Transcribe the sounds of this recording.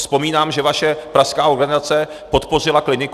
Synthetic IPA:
spo̞miːnaːmʒɛvaʃɛpɾaskaːo̞ɾɡanɪzat͡sɛ | po̞t̪po̞r̝ɪlaklɪnɪk

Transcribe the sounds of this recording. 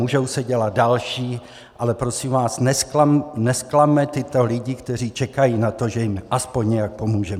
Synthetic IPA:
uʒowsɛɟɛlad̪̚dalʃiː | ʔalɛpɾo̞simvaːsnɛslanɛsklamɛt̪ɪt̪o̞lɪɟɪkt̪ɛr̝iːt͡ʃɛkajiːnat̪o̞ʒɛjɪmʔaspo̞ɲɲɛjak̚po̞muːʒɛmɛ

